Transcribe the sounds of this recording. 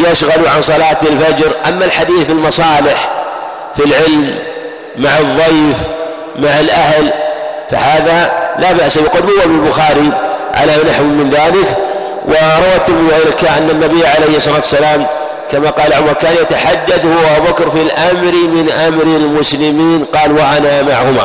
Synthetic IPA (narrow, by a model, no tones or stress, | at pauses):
jaʃɣaluʕansˤɑlaːt̪ɪlfad͡ʒɾʔa̰mːalħad̪iːθɪlmɑsˤɑːlɪħ | filʕɪlmː | aʕɨðˤːɑjf | maʕalʔahlfahaːðalabaʔsabɪqʊd̪mʊwːabɪlbʊxaːɾiʕa̰lanaħwʊmːɪnðaːlɪk | wɪɾˤɑwat̪ːɪɾmɪðiʔajlɪkaʔanːanːabɪjːʕalejhsˤːɑlat̪wasːalaːm | kamaqɑːlaʕʊmɑɾˤkaːnjat̪aħad̪ːaθhʊʔabubakɾˤfilʔamɾimɪnʔamɾilmʊslɪmiːnqɑːlwaʔanamaʕhʊma̰